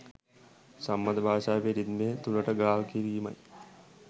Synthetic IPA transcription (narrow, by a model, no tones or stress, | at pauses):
samːɐd̪əbʱaːʃaːpiɾid̪met̪uləʈəɡaːlkiɾiːmɐ̰j